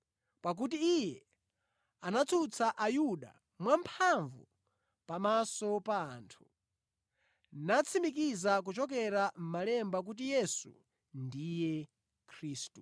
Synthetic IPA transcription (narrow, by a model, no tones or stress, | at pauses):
pak̬ut̬iːjɛ | anat͡sʰut͡sʰaʔajuɗa̰ | mwampʰaɱvu | pamasɔpaːntʰu̥ | nat͡sʰimikizak̬ut͡ʃɔk̬ɛɾam̩malɛmbak̬ut̬ijɛsṵ | ndijɛ | kʰɾiːstu